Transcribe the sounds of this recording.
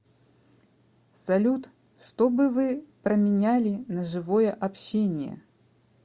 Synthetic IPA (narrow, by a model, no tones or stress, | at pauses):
sɐlʲut̪ | ʂt̪o̞bɨvɨpɾəmʲɪnʲælʲɪnəʐɨvo̞jəʔɐpɕːenʲɪjə̰